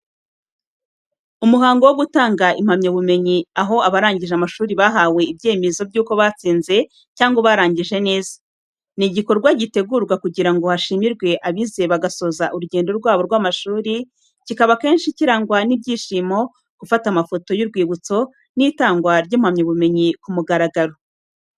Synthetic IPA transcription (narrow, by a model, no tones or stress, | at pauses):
umuɦaːŋɡo̞woɡutaːŋɡaʔim̥hamɲoβume̞ɲiaɦo̞aβaɾaːɲɟiʒeamaʃuːɾiβaɦawe̞ib̚ɟe̞ːmezo̞bɟuːko̞βaːt͡siːnze̞ | caːŋɡo̞βaːɾaːɲɟiʒe̞ne̞ːzḁ | niɟikoɾɡwaɟite̞ɡuɾɡwakuɟiɾaŋɡo̞haʃimiɾɡwe̞ʔaβize̞βaɡaso̞ːzaʔuɾuɟe̞ːndo̞ɾɡwaːβo̞ɾɡwaːmaʃuːɾi | cikaβake̞ːnʃiciɾaŋɡwanibɟiːʃimo̞ | ɡ̥ufatamafo̞to̞juɾɡwiːβut͡so̞ | niːtaːŋɡwaɾɟiːmhamɲoβume̞ɲikumuɡaɾaɡaɾo̞